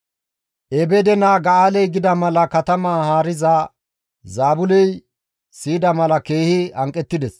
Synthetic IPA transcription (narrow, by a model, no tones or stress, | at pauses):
ʔɛbɛd̪ɛnaːɡɐaːlɛjɡɪd̪ɐmɐlɐkɐt̪ɐmaːhaːɾɪza | zaːbʊlɛj | siːd̪ɐmɐlɐkeːhɪɐŋkʼːɛt̪ːɪd̪ɛs